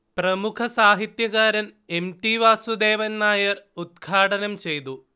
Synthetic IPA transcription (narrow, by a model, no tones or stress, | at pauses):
prɐmukʰɐsaːɦit̪jɐɣaːɾɐne̞mʈiʋaːsud̪eːʋɐnːaːjɐrud̪̚ɡʰʱaːʈɐnɐmt͡ɕe̞jt̪u